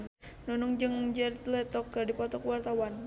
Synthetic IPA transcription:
nunuŋd͡ʒɨŋd͡ʒɛrt̪lɛt̪ɔkːərdipɔt̪ɔkwart̪awan

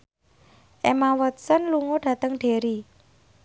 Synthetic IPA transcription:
ʔemawɔt̪̚sənluŋoɖ̥ä̤t̪əŋɖ̥e̤ɾi

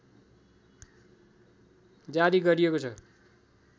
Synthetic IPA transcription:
d͡zaɾiɡʌɾiekot͡sʰʌ

